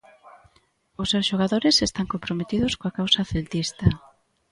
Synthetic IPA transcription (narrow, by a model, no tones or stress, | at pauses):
ʊsːewsʃoɣaðoɾɪsest̪aŋkompɾomet̪iðʊskoakawsaθelt̪ist̪ɐ